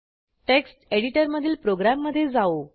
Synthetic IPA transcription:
ʈeksʈeɽiʈəɾməd̪ʱiːlpɾoɡɾamːəd̪ʱːjed͡zao

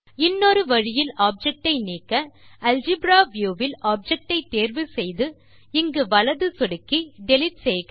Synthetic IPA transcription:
ɪnːoɾɯʋɐɻɪjɪlaːp̚d͡ʒɛk̚ʈɐɪniːkːɐɐld͡ʒɪbɾaːʋjuːʋɪlʔaːp̚d͡ʒɛk̚ʈɐɪt̪ːeːɾʋɯsɛjðɯ | ɪŋɡɯʋɐɭɐðɯsɔɽɯkːiɖɛlɪʈ̚seːk

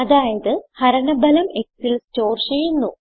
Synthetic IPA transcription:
ɐðaːjɐðɨhɐɾɐɳɐbɐlɐme̞ksilst͡ɕo̞ːrt͡ɕejːunːu

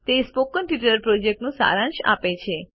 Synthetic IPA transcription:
t̪espokənʈiʈəɾpɾod͡ʒek̚ʈnũsa̰ɾãnʃa̰pet͡ʃʰe

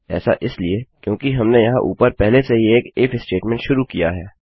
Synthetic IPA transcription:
ɛ̰ːsa̰ʔɪsliekjõːkiɦɐmnejɐɦãʔṵːpəɾpɛɦlesejeːkeːfɪsʈeːʈmɛ̃ɳʈʃʊɾukijaɦɛː

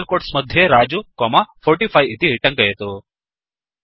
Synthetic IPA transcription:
lkoːʈsmɐd̪ʱjeɾaːd͡ʒukɔmɐpʰoːɾʈipʰɐjit̪iʈɐŋkɐjɐt̪u

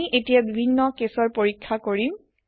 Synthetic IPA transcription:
iʔetijabibʱinːɔkesɔɹpoɹikʰːakoɹim

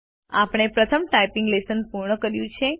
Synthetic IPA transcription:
apɽ̃epɾət̪ʰəmʈajpiŋɡlesənpuɾɳəkəɾjũt͡ʃʰe

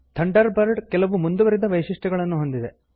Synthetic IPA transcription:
t̪ʰɐɳɖɐɾbɐɾɖkɛlɐʋumund̪uʋɐɾid̪ɐʋɐjʂiʂʈɐɡɐɭɐnːuɦo̞nd̪id̪e

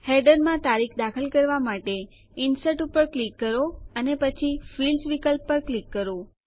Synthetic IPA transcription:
hɛɖəɾmãt̪aɾikʰd̪akʰəlkəɾʋamaʈe | ɪnsəʈupəɾklikːəɾoənepət͡ʃʰifilsʋikəlpːəɾklikːəɾo

